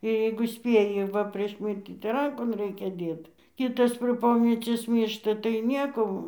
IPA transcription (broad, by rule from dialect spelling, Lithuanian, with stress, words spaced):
jɛɪɡʊ ˈsʲpʲeːjɪ ˈʋɐ pʲrʲiɛʃ ˈmʲɪrʲtʲiː tɐɪ ˈrɐŋkoːn ˈrɐɪkʲɛ ˈdʲeːt ˈkʲɪtɐs pʲrʲeː ˈpoːmʲɛt͡sʲiɛs ˈmʲiːrʃtɐ tɐɪ ˈnʲiɛkoː